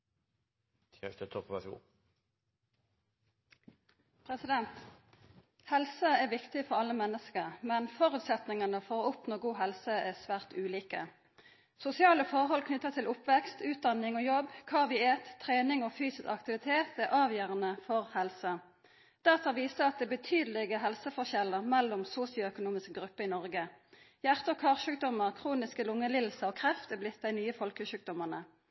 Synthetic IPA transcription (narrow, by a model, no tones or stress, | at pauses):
ɛt̪ət̪ʰɔpʋɛs | pʰʁɛsɪd̪ɛnt̪ | hɛlsəæːʋɪkt̪ɪfɔʁɑlːəmɛnːəskəʁmɛnfɔʁʉːt̪sɛt̪nɪŋənəfɔʁʊpnɔɡuːɦɛlsəæsʋæːʁt̪ʉːliːkə̰ | sʊsɪɑːləfɔʁɦɔlkʰnʏt̪ːəʁt̪ʰɪlʊpʋɛkst̪ʉːt̪̚d̪ɑnɪŋoːjɔbkʰɑːʋɪeːt̪ʰːʁeːnɪŋoːfyːsɪsɑkt̪ɪʋɪt̪ʰeːt̪ɛʁʔɑːʋjøːʁənəfɔʁhɛlsə | d̪̥æʁt̪ɑʋiːsəɑt̪̚d̪ɛːbət̪ʰyːd̪əlɪɡəɦɛlsəfɔʁçɛləʁmɛlːʊmsuːsɪʊœkʊnuːmɪskəɡʁʉpːəɪnɔʁɡə | jæʁt̪əɔkʰɑːʁʃʉːk̚d̪ɔməʁkʰʁuːnɪskəlʊŋːəlɪll̩səɔːkʰʁɛft̪ɛblɪt̪̚ːd̪æɪnyːəfɔlkəʃʉːk̚d̪ɔməʁnə